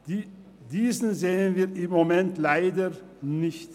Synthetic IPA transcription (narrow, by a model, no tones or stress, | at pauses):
d̥iːzn̩zeːənviːɐɪmːomɛntlaɪdə | nɪçt